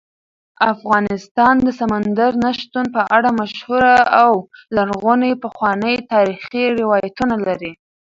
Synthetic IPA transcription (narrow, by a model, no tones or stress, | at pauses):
afɣɑnɪst̪ɑnd̪əsamand̪aɾnaʃt̪un̚pəʔaɽamaʃhuɾaawlaɾɣunepəxwɑnəjt̪ɑɾixiɾɪwɑjat̪unalaɾi